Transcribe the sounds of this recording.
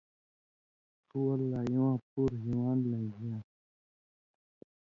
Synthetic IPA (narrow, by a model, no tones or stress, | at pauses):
tuɐlːajõːãpuɾɦiwaːnlə̃ŋɡijãː